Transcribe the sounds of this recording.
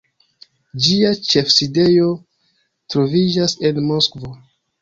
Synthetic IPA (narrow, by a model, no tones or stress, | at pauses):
d͡ʒiat͡ʃe̞fside̞jo̞ | tɾo̞vid͡ʒase̞nmo̞skvo